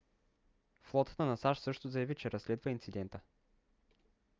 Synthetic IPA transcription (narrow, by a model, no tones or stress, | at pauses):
flˠɔt̪ə̥t̪ənɐsaʃsɤʃt̪ʊzɐjɐvit͡ʃɛɾɐslɛd̪vəint̪sid̪ɛnt̪ə